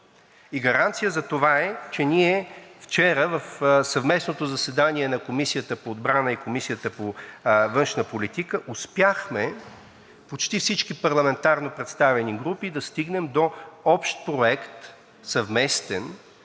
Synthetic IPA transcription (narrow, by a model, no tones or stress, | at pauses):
iɡɐɾant̪sijəzɐt̪ovaɛt͡ʃɛniɛft͡ʃɛɾəvɐfsɐvmɛsnot̪ozɐsɛd̪aniɛnɐkomisijət̪əpoːd̪bɾanəikomisijət̪əpovɤnʃnəpolit̪ikəʔʊspjaxmɛ | pot͡ʃt̪ifsit͡ʃkipɐɾlˠɐmɛnt̪aɾnopɾɛt̪st̪avɛniɡɾupid̪ɐst̪iɡnɛmd̪oɔpʃt̪̚pɾoɛkt̪ | sɐvmɛst̪ɛn